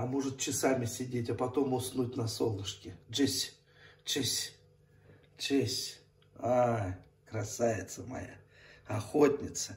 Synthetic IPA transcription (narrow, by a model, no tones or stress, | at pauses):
ɐmoʐɨt̪̚t͡ɕɪsamʲɪsʲɪdʲetʲapɐt̪o̞mʊsnutʲnɐsolˠɨʂkʲɪʐɨsʲ | t͡ɕesʲ | t͡ʃesʲ | a | kɾɐsavʲɪt̪səmɐ̰ja̰ | ɐxotʲnʲɪt̪sə